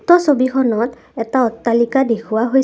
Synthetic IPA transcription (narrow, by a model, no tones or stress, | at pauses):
tɔsobikʰɔnɔt | ɛtaɔtːalikadekʰuwaɦoj